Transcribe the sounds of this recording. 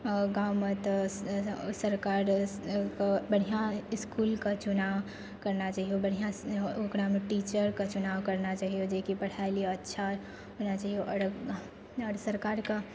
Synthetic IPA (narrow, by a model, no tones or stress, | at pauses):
ɡaːmət̪ | səɾkaːɾkabəɽ̤ijãɪskulkat͡ʃʊnaʋ | kəɾnat͡ʃaːɦiobəɽ̤ijãokɾameʈiːt͡ʃəɾkat͡ʃʊnaːwkəɾnat͡ʃaːɦijod͡ʒekipɐɽ̤ʰaeliətːʃʰa | onat͡ʃaːɦijoʔɔɾ | ɔːɾsəɾkaːɾka